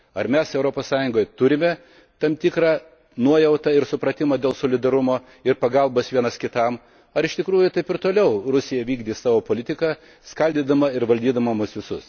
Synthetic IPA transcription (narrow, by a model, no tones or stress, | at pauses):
ɐɾmʲɛsɛʊɾoːpoːssɑːjʊŋɡoːjɛt̪ʊɾʲɪmʲɛ | t̪ɐmt̪ʲɪkɾɑː | nuɔjɛʊt̪ɐɪɾsʊpɾɐt̪ʲɪmɐd̪ʲeːlˠsoːlʲɪd̪ɐɾʊmoː | ɪɾpɐɡɐlˠboːsʋʲiɛnɐskʲɪt̪ɐm | ɐɾɪʃt̪ʲɪkɾuːjʊt̪ɐɪpɪɾt̪oːlʲɛʊɾʊsʲɪjɛʋʲiːɡd̪ʲiːsɑːʋoːpoːlʲɪt̪ʲɪkɐː | skɐlʲd̪ʲiːd̪ɐmɐɪɾʋɐlʲd̪ʲiːd̪ɐmɐmʊsʋʲɪsʊs